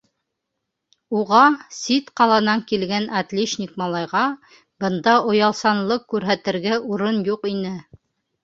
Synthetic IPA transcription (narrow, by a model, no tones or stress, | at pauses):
uʁɑsit̪qɑlˠɑnɑŋkilɡænɑt̪lʲiʃnʲikmɑlˠɑjʁɑ | bɤ̆nd̪ɑʔŏjɑlˠsɑnlˠɤqkːʉɾɦæt̪ɘ̆ɾɡæʔuɾɤnjuqinɘ